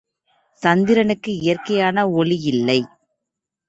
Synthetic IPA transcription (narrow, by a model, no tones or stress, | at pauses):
sɐnd̪ɪɾɐnɯkːɯɪjɐrkɐjaːnɐɔlijɪlːɐɪ